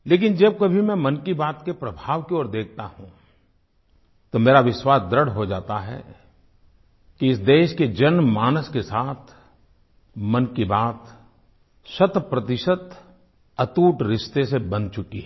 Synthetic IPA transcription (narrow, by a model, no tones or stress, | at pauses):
leːkɪnd͡ʒɐb̚kɐbʱimɛ̃mɐ̃nkibaːt̪kepɾɐbʱaːʋkiɔːɾd̪eːk̚ʰt̪aɦũ | t̪omeːɾaʋɪʃwaːsd̪ɾəɽɦod͡ʒaːt̪aɦɛ̰ | kiɪsd̪eːʃked͡ʒɐnmaːnəskesaːt̪ʰ | mɐnkibaːt̪ | ʃɐt̪pɾɐt̪ɪʃət̪ | ɐt̪uːʈɾɪʃt̪esebɐ̃nt͡ʃʊkiɦɛ